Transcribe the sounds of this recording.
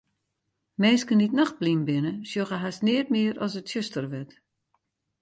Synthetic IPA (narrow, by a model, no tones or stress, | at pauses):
meːskənitnɔxblimbɪnəsjoɣəɦasnɪət̚mɪəɾɔsətsøstərʋɛt